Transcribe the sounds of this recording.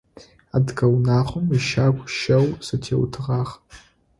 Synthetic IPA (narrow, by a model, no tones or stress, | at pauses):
adɡawnaχʷʊmiʃakʷʰʼʃɐwsatʰḛwtʰɨʁaχ